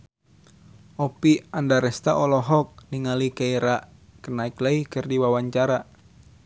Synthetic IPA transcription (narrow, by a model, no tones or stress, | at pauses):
ʔɔpiandaɾɛst̪aʔɔlɔɦɔk̚niŋalikaiɾaʔ | kənaikləikɨrdiwawaɲt͡ʃaɾa